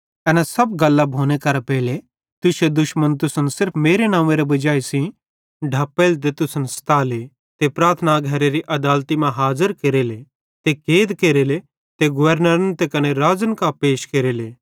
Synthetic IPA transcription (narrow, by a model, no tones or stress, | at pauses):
ɛːnasɐbɡɐlːabʱoːnekɐɾapɛːle | t̪ʊsed̪ʊʃmənt̪̬ʊsənsɪɾpʰmeːɾenãːʋeɾebɐd͡ʒaːesĩ | ɖʱɐpːelt̪̬et̪ʊsənst̪aːle | t̪epɾaːɾt̪ʰnaɡʱɐɾeɾiʔɐd̪aːlt̪imãɦaːzəɾkeɾele | t̪ekeːd̪keɾeːle | t̪eɡʊʋəɾnəɾənt̪ekɐneɾaːzənkapeːʃkeɾeleː